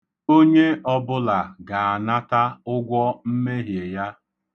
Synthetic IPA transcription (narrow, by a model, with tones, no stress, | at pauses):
o˦ɲe˦ɔ˦bʊ˦la˨ɡa˨a˨na˦ta˦ʊ˦ɡʷɔ˦m̩˦me˦ɦje˨ja˦